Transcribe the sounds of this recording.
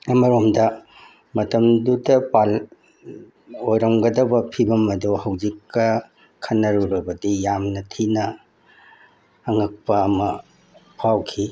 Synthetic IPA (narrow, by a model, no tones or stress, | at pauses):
ɐmɐɾomdɐ | mɐtɐmdudɐpal | ojɾɐmɡɐdɐbɐpʰibɐmɐduhɐwd͡ʒikːɐ | kʰɐnːɐɾuɾɐbɐdijamnɐtʰinɐ | ŋɐk̚pɐːmɐ | pʰawkʰi